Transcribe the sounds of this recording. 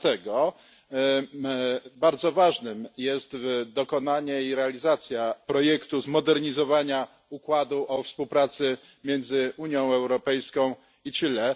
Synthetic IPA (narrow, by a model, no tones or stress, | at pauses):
t̪ɛɡɔ | baɾd̪zɔvaʐnɘmjɛst̪vd̪ɔkɔnaɲɛiɾɛalʲizat̪sʲjapɾɔjɛkt̪uzmɔd̪ɛɾɲizɔvaɲa | ukwad̪uʔɔfspuwpɾat̪sɘ | mjɛnd̪zɘuɲjɔ̃w̃ɛwɾɔpɛjskɔ̃w̃ | it̪ɘlɛ